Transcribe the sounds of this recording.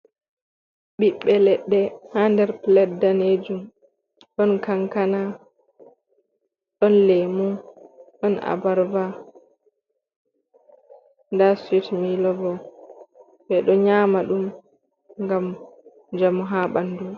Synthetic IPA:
ɓiɓːɛlɛɗːɛhandɛɾplɛdaned͡ʒum | ɗɔnkaŋkana | ɗɔnlemuɗɔna̰baɾva | ndaswitmilɔvɔ | bɛɗɔɲaːmaɗum | ŋɡam | d͡ʒamuɦaɓandum

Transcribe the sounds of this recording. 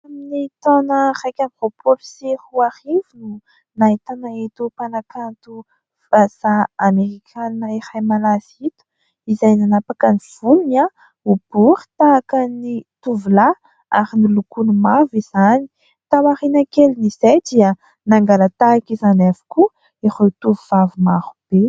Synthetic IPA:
aminit̪onərajkʲamvopʰolusehuaɾivinu | nait̪anaet̪upanakʰant̪u | vasaameʁikʲʰannaehajmalaz̥it̪u̥ | izajnanapakəniv̥uluna | ub̥uχi̥t̪akanit̪uvula | a̰ɾinilukunumaviz̥ani̥ | t̪awaχinakelinizajd̪iə | naŋɡalat̪aːkizanavu̥ku | eχet̪uvuvavumahub̥e

